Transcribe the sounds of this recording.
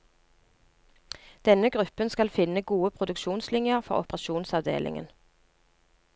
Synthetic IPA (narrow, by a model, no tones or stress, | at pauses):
d̪̥ɛnəɡʁʉpənskɑlfɪnəɡuːəpʰʁʊd̪ʉkʃuːnslɪnjəʁfɔ̰ʁʊ̰pəʁɑʃuːnsɑʋd̪ḛːlʔɪ̰ŋə̰n